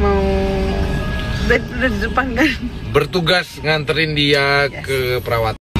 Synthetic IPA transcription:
mau | bɛtdəd͡ʒəpaŋkanbərt̪uɡasŋant̪əɾɪndiakkəpəɾawat̪

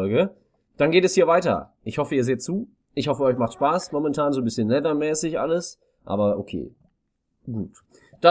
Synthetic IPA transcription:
ɔlɡə | d̥anɡeːtɛshiːɐvaɪtɐ̰ʔɪçhɔfəiːɐzeːtt͡suː | ʔɪçhɔfəɔʏçmaχtʃpaːsmɔmɛntʰaːnzoːnbɪsçənlɛvɐmɛːsɪçʔa̰ləs | ʔa̰ːbɐʔokʰḛː | ɡ̥uːt | d̥a

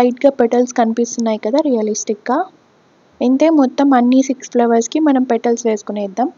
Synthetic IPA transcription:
ɐjʈɡaːpɛʈɐlskɐnipist̪unːaːjikɐd̪aːɾijɐlisʈikɡaː | ent̪e̞ːmɔt̪ːɐmɐnːisiksplɐʋɐɾskimɐnɐmpɛʈɐlsʋeːsu̥kuneːd̪ːɐm

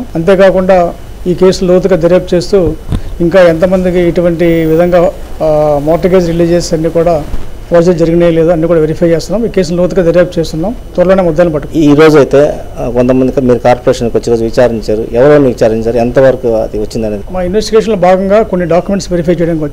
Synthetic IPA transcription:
ɐnt̪e̞ːkaːkuɳɖaː | iːke̞ːsulloːt̪̬uɡaːd̪eɾjaːp̚t͡ʃe̞ːst̪uːiŋkaːent̪̬ɐmɐnd̪ikiːʈuʋɐɳʈiʋid̪ʱɐŋɡaː | mɔːɾʈɐɾɡeːd͡ʒɾiliːd͡ʒt͡ʃeːsɐnːiːkuːɽaːʋɐːɾd͡ʒed͡ʒɐɾiɡinejle̞ːd̪uɐnːiːkuːɽaːʋeɾipʰɐjt͡ʃeːst̪unaːmiːkeːsulloːt̪uɡaːd̪eɾjaːp̚t͡ʃeːst̪unːaːmt̪ʋɐɾɐloːneːmɐd̪ːaːnɐpɐʈːukːiɾo̞ːd͡ʒuɐjt̪e̞ːkont̪ɐmɐnd̪imiːɾukaːɾpoɾeːʂɐnkoɐt͡ʃːiɾo̞ːd͡ʒuʋit͡ʃaːɾiɲt͡ʃaːɾṵɛʋɐɾoɐnuʋit͡ʃaːɾiɲt͡ʃaːɾuɛnt̪ɐʋɐɾkuɐd̪iʋɐt͡ʃːind̪ɐneːd̪imaːinʋesʈiɡeːʂɐnlobʱaːɡɐŋɡaːko̞nːiɖaːkjumeɳʈsʋeɾipʰɐjt͡ʃejɐɽɐnikiʋɐt͡ʃː

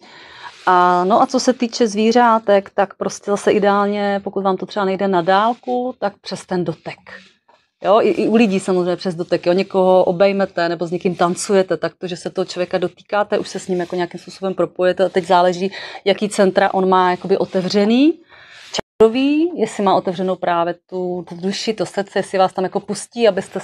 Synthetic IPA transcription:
ʔanoʔat͡so̞sɛt̪iːt͡ʃɛzviːr̝aːt̪ɛkt̪akpɾo̞scɛzasɛʔɪdɛaːlɲɛpokut̪vaːmt̪ot̪r̝̥ɛbanɛjdɛnadaːlkut̪ak̚pr̥ɛst̪ɛndo̞t̪ɛk | joʔɪʔɪʔulɪɟiːsamozrejɲɛpr̥ɛzdo̞t̪ɛkjoɲɛko̞ɦo̞ʔobɛjmɛt̪ɛnɛbo̞zɲɛkɪmt̪ant͡sujɛt̪ɛt̪ak̚t̪oʒɛsɛt̪oɦot͡ʃlovjɛkado̞t̪i̥ːkaːt̪ɛʔuʃsɛsɲɪmjakoɲeakimspuːsobɛmpɾopojɛt̪ɛat̪ɛɟzaːlɛʒiːjakiːt͡sɛnt̪ɾaʔo̞nmaːjako̞bɪʔo̞t̪ɛvr̝ɛniː | t͡ʃadoviːjɛsɪmaːʔo̞t̪ɛvrɛnowpɾaːvjɛt̪udduʃɪt̪ost̪t͡sɛjɛsɪvaːst̪amjako̞pusciːabɪst̪ɛ

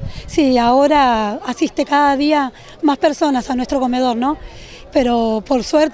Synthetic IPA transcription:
siaoɾaasist̪e̞kaðaðia | maspe̞ɾso̞nasanwest̪ɾo̞ko̞með̞o̞ɾnõ̞ | peɾo̞po̞ɾsweɾt̪

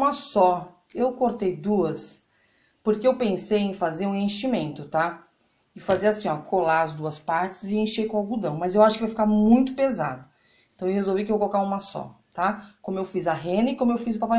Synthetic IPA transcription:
mɐsɔ | ewkoɾt̪ejd̪uɐs | poɾkeewpẽsejẽj̃fazeɾũẽʃimẽnt̪ʊt̪a | ɪfazeɾasĩɔkʰolaɐzd̪uɐspaɾt͡ʃɪzɪẽʃejkõawɡud̪ɐ̃w̃mɐzewaʃʊkɪvajfikaɾmũj̃t̪ʊ̥peza̰d̪ʊ | ẽt̪ɐ̃w̃ewhezowvikɪewkolokaɾũmɐsɔ̰t̪akõmʊewfizɐɦẽnɐɪkõmʊewfizʊpapa

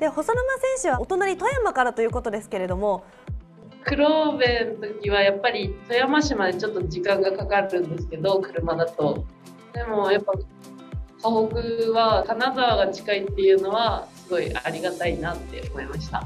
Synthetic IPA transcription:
d̪e̞ho̞sonomasẽ̞ɰ̃ɕɨβaot̪o̞naɲ̟ʲit̪ojamakaɾat̪o̞jɯ̟ːko̞t̪o̞d̪e̞sɨ̥ke̞ɾe̞d̪o̞mo̞ | kɯ̟ɾo̞be̞nt̪o̞kʲiβajapːaɾʲit̪o̞jamaɕimad̪e̞t͡ɕo̞t̪ːo̞ʑikãŋɡakakaɾɯ̟̃nd̪e̞s̬ɨ̥ke̞d̪o̞kɯ̟ɾɯ̟mad̪at̪o̞ | d̪e̞mo̞japːa | kaɦokɯ̟βakanazaβaɡat͡ɕi̥kait̪ːe̞jɯ̟ːno̞βasɨɡo̞iʔaɾʲiɡat̪ainat̪ːe̞̰o̰mo̞imaɕi̥t̪a̰

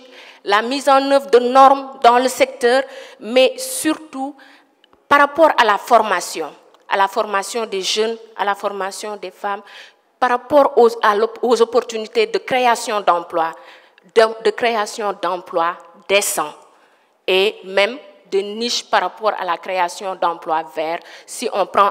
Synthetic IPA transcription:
lamizɑ̃nəvʁd̪ənɔʁmd̪ɑ̃ləsɛk̚t̪œʁmɛsyɾt̪u | paɾapɔɾalafɔʁmasjɔ̃ | ʔa̰lafɔʁmasjɔ̃d̪eʒəna̰lafɔʁmasjɔ̃d̪ɛfam | paɾapɔɾaozɔpɔʁt̪ynit̪ed̪əkχeasjɔ̃d̪ɑ̃plwa | d̪əkɾeasjɔ̃d̪ɑ̃plwa | d̪ɛsɑ̃ | emɛ̃md̪əniʃpaɾapɔɾa̰lakɾeasjɔ̃d̪ɑ̃plwavɛʁsiʔɔ̃pɾɑ̃

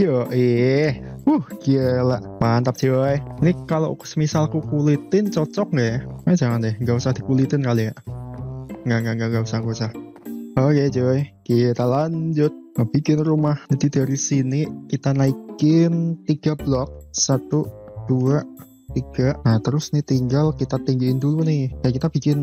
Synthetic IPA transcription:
jɔʔihuhɡ̥iəlaʔpant̪ap̚d͡ʒ̥ijinikalo̰ʔsəmisalkukulit̪ɪnt͡ʃɔt͡ʃɔk̚ŋɡajamad͡ʒaŋandɪhŋɡausahdikulit̪ɪnkalijaʔ | ŋɡaŋɡaʔŋɡaʔŋɡausaŋkusah | oked͡ʒojkit̪alaɲd͡ʒʊt̪̚ŋab̥ikɪnrumahd͡ʒ̥adid̥aɾisinikit̪anaikɪnt̪iɡ̥ablɔk̚sat̪ud̥uaʔ | t̪iɡ̥aʔnat̪əɾʊsnɪht̪iŋɡalkit̪at̪iŋɡilɪndulunɪhkajakit̪ab̥ikɪn

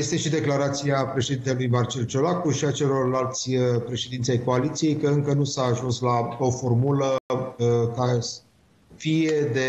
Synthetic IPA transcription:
jest̪e̞ʃid̪e̞klaɾat̪siapɾe̞ʃe̞d̪int̪elujmart͡ʃe̞lt͡ʃo̞lakuʃiat͡ʃe̞lo̞rlalt̪sʲəpɾe̞ʃed̪int̪ʲajko̞alit̪sije̞jkəɨŋkənusaːʒunslao̞fo̞rmulə | ka | fije̞d̪e̞

